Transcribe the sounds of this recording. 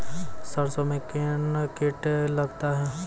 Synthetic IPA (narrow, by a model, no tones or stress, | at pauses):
səɾsomẽkenkeːʈlɐɡt̪aɦɛː